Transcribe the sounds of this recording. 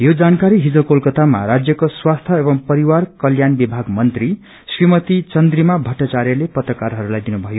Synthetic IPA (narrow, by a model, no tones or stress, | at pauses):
jod͡zankaɾiɦid͡zʌkolkʌt̪ama̰ɾad͡zjʌkoswast̪ʰʌebʌŋpʌɾiwarkʌljanbibʱaɡmʌnt̪ri | srimʌt̪it͡sʌnd̪rimabʱʌʈːat͡sarjʌlepʌt̪rʌkaɾɦʌɾulajd̪inubʱʌjo